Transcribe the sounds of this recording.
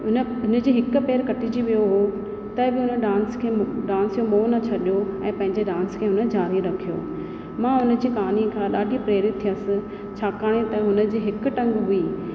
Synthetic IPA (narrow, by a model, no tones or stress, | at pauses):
ʊn | ʊnə̆d͡ʑiːɦɪkʊ̆peːɾkɐʈʰid͡ʑiʋijoɦoː | t̪ɐbɪʊnəɖãːnskʰeːɖãːnsijomoːnɐt͡ɕʰɐɗijoɛ̃ːpɐ̃ɦɪ̃ɲd͡ʑeɖãːnskʰẽːɦʊnə̆d͡ʑaːɾiɾɐkʰijo̰ː | mãːʊnə̆d͡ʑiːkaːnikʰãɗaːɖʱipɾeːɾɪt̪ʰːijəsɪ̆ | t͡ɕʰaːkaːɽ̃et̪ɐ̃ɦʊnə̆d͡ʑiːɦɪkʊʈɐ̃ŋɡɦʊiː